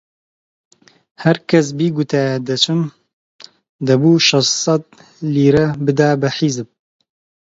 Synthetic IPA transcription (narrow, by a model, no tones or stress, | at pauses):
hɛɾkʰɛs̬biːɡut̪ʰɛd̪ɛt͡ʃʰɨm | d̪ɐbuːʃɑssɑt̪̚ | liːɾɛbɨd̪aːbɛħizɨb̚